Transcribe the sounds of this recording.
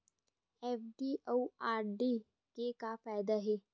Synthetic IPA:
ɛːfɖiowaːɾɖi | kekafaːɪd̪aɦɛː

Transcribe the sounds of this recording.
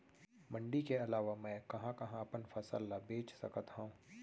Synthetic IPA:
mɐ̃ɳɖikeɐlaːʋamɛ̃ːkɐɦãkɐɦãɐpənfʰɐsə̰lːabeːt͡ʃsɐ̰kət̪ɦõ

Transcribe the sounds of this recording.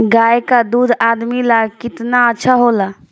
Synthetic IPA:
ɡaekad̪ud̪ad̪milakɪt̪naətːʃʰaɦola

